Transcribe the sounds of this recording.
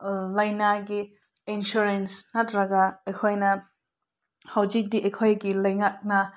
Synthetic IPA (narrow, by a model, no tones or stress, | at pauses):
lɐjnaɡi | insuɾensnatɾɐɡaejkʰojnɐ | hawzik̚diʔejkʰojɡilɐjŋak̚nɐ